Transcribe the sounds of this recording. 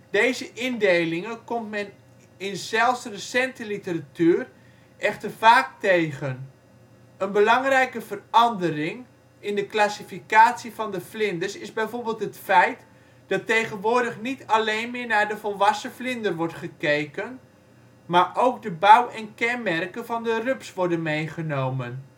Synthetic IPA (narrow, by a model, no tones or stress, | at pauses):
d̥ejzəʔɪndejlɪŋənkɔmtmɛn | ɪnz̥ɛlˠfsrəsɛntəlitəratyːr | ʔɛχtərfaːk̚tejɣən | ənbəlɑŋrɛjkəvərɑndərɪŋ | ɪndəklasifikaːtsifɑndəflɪndəsɪzbɛjvoːɹbeːlˠtɦətfɛjt | d̥ɑtejχənʋʊːɹdəχnitalejnmɪːɹnaːɹdəvɔlˠʋɑsəflɪndərʋɔɹtχəkejkən | maːɹʔowkdəbawɛnkɛnmɛrkənvɑndərøpsʋɔɹdənmejχənowmən